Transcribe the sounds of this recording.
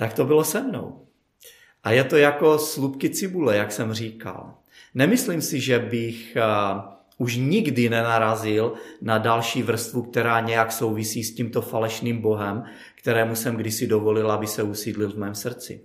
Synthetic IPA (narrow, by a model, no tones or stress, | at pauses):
t̪akt̪o̞bɪlo̞sɛmno̞̰w | ʔajɛt̪o̞jako̞slupkɪt͡sɪbulɛjaksɛmr̝iːka̰l | nɛmɪsliːmsɪʒɛbɪx | uʃɲɪɡdɪnɛnaɾazɪlnadalʃiːvr̩st̪vuk̚t̪ɛɾaːɲɛjakso̞wvisiːsciːmt̪o̞falɛʃniːmbo̞ɦɛm | kt̪ɛɾɛːmusɛmɡdɪsɪdovo̞lɪlabɪsɛusiːdlɪlvmɛːmsr̩t͡sɪ̰